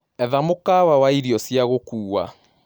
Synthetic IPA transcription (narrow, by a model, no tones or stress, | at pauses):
ɛðamokawawaiɾiɔsjaɣokuːwa̰